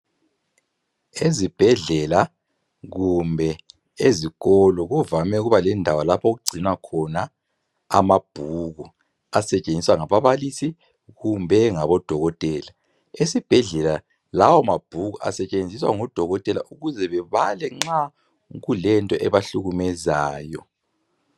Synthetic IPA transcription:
ezib̥ʱɛɮɛla | ɣumbʱɛ | eziɣɔlɔɣuvamɛuɣuβalɛndʱawalapʰoɣuɡ͡ǀʱinwakʰɔna | amab̥ʱuɣu | asɛt͡ʃʼend͡zʱiswaŋaβaβalisi | ɣumbʱɛŋaβɔd̥ʱɔɣɔtʼɛːla | esib̥ʱɛɮɛla | lawɔmab̥ʱuɣuʔa̰sɛt͡ʃʼend͡zʱiswa̰ŋɔd̥ʱɔɣɔtʼɛla̰ʔuɣuzɛβɛβalɛŋ͡ǁa | ɣulɛntʼɔʔɛβaɬuɣumɛzaːjɔ̰

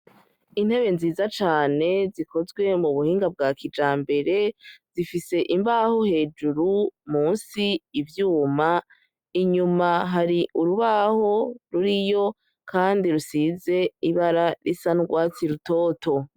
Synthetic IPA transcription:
in̥he̞βe̞nziːzat͡ʃaːne̞zikʰo̞zɡwe̞muβuhiːŋɡab̚ɡaːkʰid͡ʒaːmbe̞ɾe̞z̥ifise̞ʔimbaho̞he̞ːd͡ʒuɾumuːnsiːvjuːma | iɲumaɦaɾiʔuɾuβaːho̞ɾuɾijo̞ | kʰaːndiɾusize̞iβaɾaɾḭsanɡwaːt͡siɾuto̞ːto̞

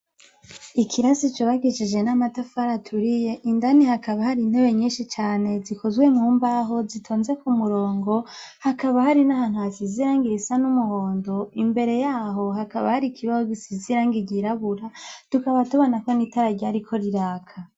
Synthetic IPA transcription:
ikʰiɾasit͡ʃuβaɡiʃid͡ʒe̞namatafaɾatʰuɾije̞ʔindanihakaβahaɾin̥he̞βe̞ɲiːnʃit͡ʃaːne̞zikʰozwe̞mŋuːmbaɦo̞zitʰoːnze̞kumuɾo̞ːŋɡo̞hakaβahaɾinaɦaːn̥uhasiziɾaːŋɡiɾisanumuho̞ːndoimbe̞ɾe̞jaːɦo̞ɦakaβahaɾikʰiβazoɡisiziɾaːŋɡiɟiɾaβuɾatukaβatuβo̞nako̞nitaɾaɟaɾikʰo̞ɾiɾaːkʰa

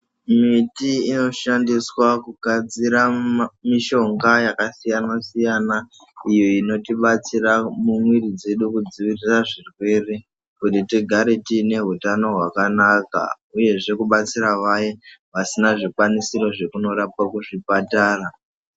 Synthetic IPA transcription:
mitiːno̞ʃandiswakuɡʱad͡ziɾamiʃo̞ŋɡajakasijanasijana | ijo̞ino̞tiɓat͡siramumwirid͡ze̞ɗukud͡ziʋiriraʐirwe̞re̞ | kutitiɡʱaɾetine̞ɦutano̞ɦwakanaka̰ | uje̞ʐe̞kuɓat͡siɾaʋajeʋasinaʐikwanisiɾo̞ʐe̞kuno̞ɾapwakuʐipataːra

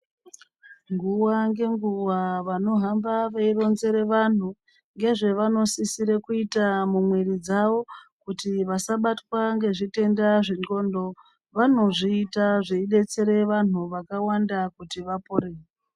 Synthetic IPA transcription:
ŋɡuwaŋɡe̞ŋɡuwaʋano̞ɦambaʋairo̞nze̞ɾe̞ʋan̤u | ŋɡe̞ʐe̞ʋano̞sisiɾe̞kuitamumwerid͡zaʋo̞kutiʋasaɓatwaŋɡe̞ʐite̞ndaʐiŋɡo̞ːndo̞ | ʋano̞ʐiːtaʐeiɗe̞t͡se̞ɾe̞ʋan̤uʋakawandakutiʋapoɾeːe

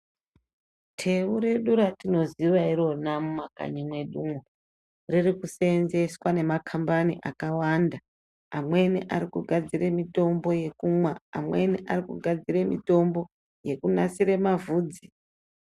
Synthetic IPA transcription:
tʰe̞uɾe̞ɗuɾatino̞ziʋaiɾo̞namumaka̰ɲimwe̞ɗumo | ririkuse̞nze̞swane̞makʰambaniʔakawanda | amwe̞niʔaɾikuɡʱad͡ziremito̞mbo̞je̞kumwaa̰mwe̞niʔarikuɡʱad͡ziremito̞mbo̞ | je̞kunasiɾemavuːd͡zi

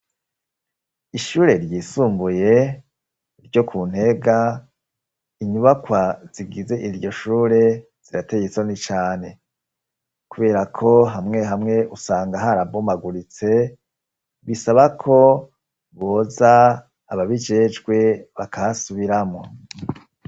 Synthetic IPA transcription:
iʃuːɾe̞ɾjiːsuːmbuje̞ | iɾɟo̞kʰuːn̥he̞ɡa | iɲuβakwaz̥iɡize̞ʔiɾɟo̞ʃuːɾe̞ | z̥iɾate̞ɡet͡sonit͡ʃaːne̞ | kuβe̞ːɾakʰo̞ɦamŋe̞ɦamŋe̞usaːŋɡaɦaɾabomaɡuɾit͡se̞ | βisaβakʰo̞ | βo̞ːzaː | βaβid͡ʒe̞ːd͡ʒɡwe̞βakʰaasuβiɾamŋo̞

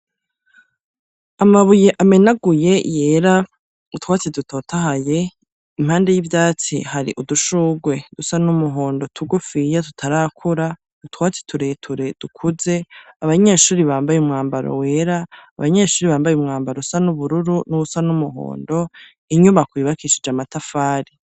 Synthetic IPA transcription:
amaβujeʔame̞naɡuje̞je̞ːɾa | utwaːt͡siduto̞ːtahaje̞ | im̥haːnde̞jivjaːt͡sḭhaɾḭʔuduʃuːɡwe̞d̥usanumuɦo̞ːndo̞tʰuɡufijatu̥tʰaɾaːkʰuɾḁ | utwaːt͡si̥tʰuɾetʰuɾed̥ukʰuze̞aβaɲe̞ʃuːɾiβaːmbajumŋaːmbaɾo̰we̞ːɾa̰ːβaɲe̞ːʃuːɾiβaːmbajumŋaːmbaɾosanuβuɾuɾunuusanumuɦo̰ːndo̞ | iɲumakwiːβakiʃid͡ʒamatafaːɾi

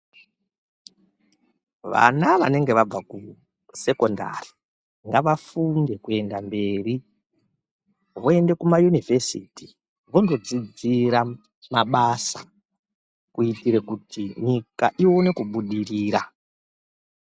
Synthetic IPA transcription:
ʋa̰naʋa̰ne̞ŋɡe̞ʋab͡vaku | se̞konda̰ri̥ | ŋɡaʋafunde̞kue̞ndambe̞ːri | ʋoe̞nde̞kumajunivʱesiti | ʋondo̞d͡zid͡ziɾa | maɓasa | kuitiɾekutʰiɲikaʔione̞kuɓuɗiriːɾa

